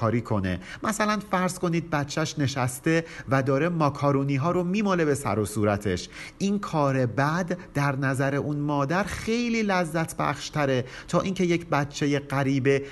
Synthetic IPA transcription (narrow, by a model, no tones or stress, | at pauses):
ɒːɾiːkʰo̞ne̞̰mʔæsælænfæɾz̥ko̞niːd̪̚bæt̪t͡ʃʰːæʃne̞ʃæst̪e̞væd̪ɒːɾemɒːkʰɒːɾuːniːɦɒːɾomiːmole̞be̞sæ̰ɾosuːɾæt̪ʰe̞̰ʃʔinkʰɒːɾe̞bæd̪ːæɾnæzæɾe̞ʔunmɒːd̪æɾxe̞jliːlæzːæt̪ʰbæ̰χʃt̪ʰæɾe̞ | t̪ʰɒːʔiːncʰe̞jecʰbæt̪t͡ʃʰːe̞jeɢæɾiːbe̞